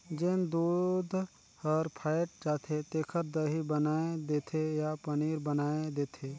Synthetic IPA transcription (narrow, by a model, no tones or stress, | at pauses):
d͡ʒend̪uːd̪ʱ | hɔːɾpʰaːɪʈ̚d͡ʒaːt̪ʰet̪eːkʰəɾd̪əɦibənaːed̪eːt̪ʰejapəniːɾbənaːed̪eːt̪ʰeː